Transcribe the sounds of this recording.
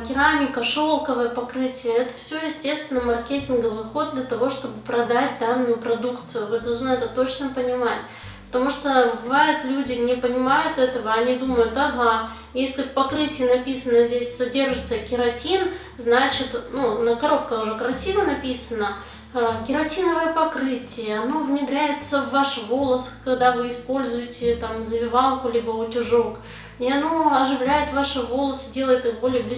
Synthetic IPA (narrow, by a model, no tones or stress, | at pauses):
kʲɪɾamʲɪkəʂolˠkəvəjəpɐkɾɨtʲɪjəɛt̪ə̥fsʲɵjɪsʲtʲe̞st̪vʲɪnːəmɐrkʲetʲɪnɡəvɨjxo̞d̪̚d̪lʲɐt̪ɐvo̞ʂt̪o̞bɨpɾɐd̪at̚ʲd̪anːʊjʊpɾɐd̪ukt̪sɨjʊvɨd̪ɐlˠʐnɨɛt̪ət̪o̞t͡ɕnəpənʲɪmatʲ | pə̥t̪ɐmuʂt̪obɨvajɪt̪lʲudʲɪnʲɪpənʲɪmajʊt̪ɛt̪əvəɐnʲid̪uməjʊt̪ɐɣa | jesʲlʲɪfpɐkɾɨtʲɪjənɐpʲisənəzʲdʲesʲsɐdʲe̞rʐɨt̪səkʲɪɾɐtʲin | znat͡ɕɪt̪nunəkɐɾo̞p̚kəʊʐɛkɾɐsʲivənɐpʲisənə | kʲɪɾɐtʲinəvəjəpɐkɾɨtʲɪjəɐno̞vnʲɪd̪ɾʲæjɪt̪səvːaʂvo̞lˠəskɐɡd̪avɨɪspo̞lʲzʊjɪtʲɪt̪amzəvʲɪvɑlˠkʊlʲibəʊtʲʊʐok | iɐno̞ɐʐɨvlʲæjɪt̪vaʂɨvo̞lˠəsɨdʲe̞lˠəjɪt̪ɨxbo̞lʲɪjəblʲɪ